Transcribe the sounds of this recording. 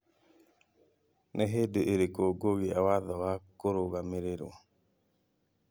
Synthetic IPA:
nɛɦedeeɾekoɡoɡiawaðɔwakoɾoɡameɾeɾo̰

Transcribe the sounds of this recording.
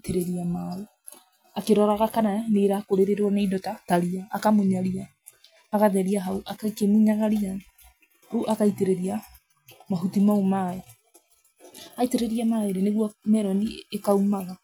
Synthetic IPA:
teɾeɾiamau | akeɾɔɾaɣakananeɾakoɾeɾeɾɔnaidɔtataɾiaːkamoɲaɾiaː | ɣaðɛɾiaɦauʔakakemuɲaɣaɾia | uʔakaiteɾeɾia | maɦutimaumae | aiteɾeɾiamaːeɾeneɣwɔmɛɾɔniekaumaɣa

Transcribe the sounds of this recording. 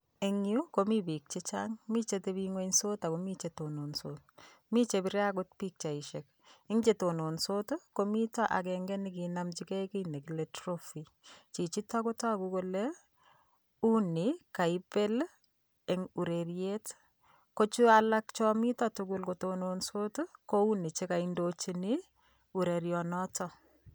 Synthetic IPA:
eŋukomibik̚t͡ʃet͡ʃaŋmit͡ʃetebiŋoɲsotakomit͡ʃetononsot | mit͡ʃebɪɾjakʊt̚pik̚t͡ʃaiʃek̚ | ɪŋt͡ʃetononsotokomitɔʔa̰kɛŋɡɛnɪk̬inamt͡ʃikɛkinekiletɾofi | t͡ʃit͡ʃitːɔkotɔkukole | unikaipel | eŋuɾeɾjet | kot͡ʃualakt͡ʃɔmitɔtʊkulkotononsotukounit͡ʃekaindot͡ʃini | uɾeɾjɔnɔtɔ

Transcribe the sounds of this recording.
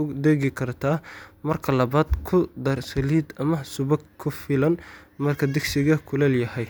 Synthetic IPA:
ʊd̪ɛɣɪkʰɐrt̪ʰaːmɐrkʰɐlɐβaːd̪kʰʊd̪ɐrsɐliːd̪ɐmɐsʊβɐɡkʰʊfɪlɐnmɐrkʰɐd̪ɪɡsɪɣɐkʰʊlɛljɐhɛj

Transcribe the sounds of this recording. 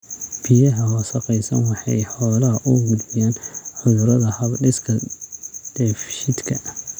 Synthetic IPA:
b̥ijɐɦɐwɑsɐqɛjsɐnwɑħɑ̰jħɔːlɐɦɐʔʊɡʊd̪bɪjaːnħʊðʊɾɐðɐhɐbɖɪskʰɐ | d̪̥ɛfʃɪd̪kʰɐ

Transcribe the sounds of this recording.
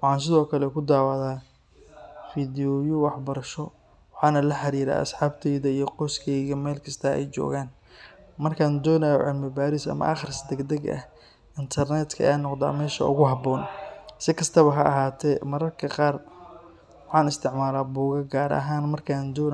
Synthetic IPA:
wɑħɑːns̬ɪðɔːkʰɐlɛkʰʊd̪aːwɑðaː | fiːd̪ɪɔjʊwɑħbɐɾɐʃɔ | wɑħɑːnɐlɐħɑɾiːɾa̰ɐ̰sħaːbt̪ʰɛjðɐijɞqɔːskʰɛjɣɐmɛːlkʰɐst̪ʰɐɛ̰jt͡ʃɔ̰ːɣaːn | mɐrkʰaːnd̪ɔːnajɔʕɛlmɪbaːɾɪsɐ̰mɐ̰ʔɐ̰χɪrsd̪ɛɡd̪ɐɡʔɐ̰h | ɪnt̪ʰɐrnɛd̪kʰɐʔɛ̰jaːnːɔqd̪a̰ːmɛːʃɐ̰ʊ̰ɣʊɦɑbɔːnsɪkʰɐst̪ʰɐβɐɦɐʔɐɦaːt̪ʰɛmɐɾɐrkʰɐqɑːr | wɑħɑːnɪst̪ʰɪʕmaːlaːbuːɣɐɡaːɾɐ̰ɦaːnmɐrkʰaːnd̪ɔːn

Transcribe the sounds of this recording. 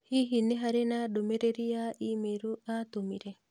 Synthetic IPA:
hiɦineɦaɾenadomeɾeɾijaimeɾuat̪omiɾe

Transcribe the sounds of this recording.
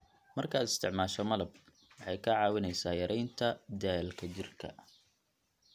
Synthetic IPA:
mɐrkʰɐːd̪ɪ̥st̪ʰɪʕmaːʃɔmɐlɐb̚ | wɑħɑjkʰɐʕɑːwɪnɛjsaːjɐɾʔɛjnt̪ʰɐd̪ɛːlkʰɐt͡ʃɪrkʰɐ̰

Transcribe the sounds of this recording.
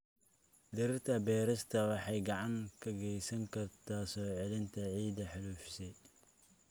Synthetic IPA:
d̪ɪɾɪrt̪ʰɐbɛːɾɐst̪ʰɐwɑħɑjɡɑʕɑŋkʰɐɡɛjsɐŋkʰɐrt̪ʰaːsɔːʕɛlɪnt̪ʰɐʕiːd̪ɐħɪluːfsɛ

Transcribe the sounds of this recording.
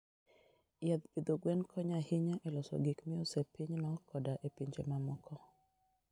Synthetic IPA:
jad̪bid̪oɡwɛnkʰɔɲahɪɲaʔɛlɔsɔ̰ɡikmɪɔsepiɲnɔkɔdaʔepiɲd͡ʒḛmamɔkɔ

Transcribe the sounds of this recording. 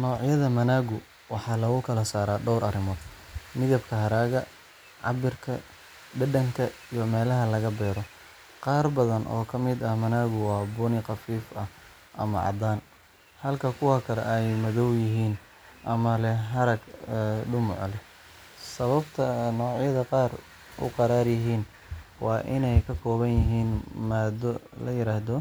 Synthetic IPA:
nɔːʕjɐðɐmɐnaːɣʊ | wɑħɑːlɐɣʊkʰɐlɐsaːɾaːɖɔwɾʔɐrɪmɔːd̪̥mɪðɐbkʰɐɦɐɾaːɣɐ | ʕɑ̰bɪrkʰɐ̰ | ɖɐɖɐŋkʰɐijɔmɛːlɐɦɐlɐɣɐbɛːɾɔ | qɑːrbɐðɐnʔɔ̰ːkʰɐmɪd̪ɐhmɐnaːɣʊwɑːbʊnɪqɑfiːfɐh | ʔɐ̰mɐ̰ʕɑ̰d̪aːn | hɐlkʰɐkʰʊwakʰɐlɛ̰ʔɛjmɐðɔwjɪɦiːn | ʔɐmɐlɛɦɐɾɐɡɛɖʊmʊʕlɛ | sɐβɐbt̪ʰɐnɔːʕjɐðɐqɑːr | ʊ̰qɑɾaːrjɪɦiːn | wɑːʔɪnɛjkʰɐkʰɔːβɐnjɪɦiːnmaːd̪ɔlɐjɪɾaːhðɔ

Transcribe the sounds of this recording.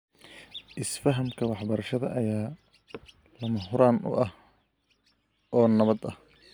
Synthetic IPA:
ʔɪsfɐɦɐmkʰɐwɑħbɐɾɐʃɐðɐ̰ʔɐjaː | lɐmɐɦʊɾaːnʊ̰ʔɐh | ɔːnɐβɐd̪ɐh

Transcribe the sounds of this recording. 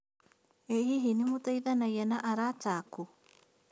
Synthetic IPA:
eɦiɦinimutaiðanajɛnaʔaɾataku

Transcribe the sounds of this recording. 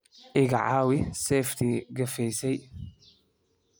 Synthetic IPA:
ʔɪɡa̰ʕaːwɪsɛːft̪ʰɪɡɐfɛjsɛj

